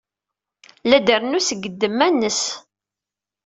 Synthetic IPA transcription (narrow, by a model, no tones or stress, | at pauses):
læd̪əɾnusəɡːəd̪ːəmːænːəs